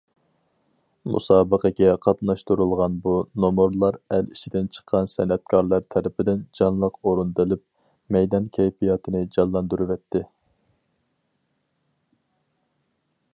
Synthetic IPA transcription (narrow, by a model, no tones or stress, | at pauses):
mṵsɑːbəqʰəɡʲɛqʰɑt̪nɑʃt̪uɾulˠʁɑnbunomoɾlˠɑɾælit͡ʃʰid̪ɪnt͡ʃʰə̥qʰːɑnsɛnɛt̪̚kʰɑɾlˠɑɾt̪ʰɛɾɪpʰɪd̪ɪnd͡ʒɑnlˠəqoɾund̪ɨlɪp̚ | mɛjd̪ɑnkʲʰɛjpijɑt̪ʰɨnɪd͡ʒɑnlːˠɑnd̪uɾuvɛt̪ʰːɪ